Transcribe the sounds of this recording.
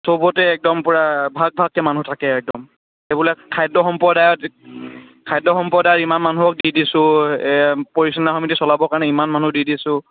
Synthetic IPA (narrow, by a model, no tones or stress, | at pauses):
sobɔtɛːk̚dɔmpuɹabʱaɡ̚bʱaɡ̚ɛmanutʰakɛːk̚dɔm | ebulɛkʰajdɔxɔmpɔdajɔt | kʰajdɔxɔmpɔdajɔtimanmanuɔk̚didisʊ̃ | poɹisɔnaxɔmitisɔlabɔkaɹnɛimanmanudidisʊ̃